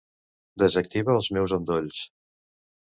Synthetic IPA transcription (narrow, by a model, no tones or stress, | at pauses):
d̪əzək̚t̪iβəːlˠzmɛwzond̪oʎs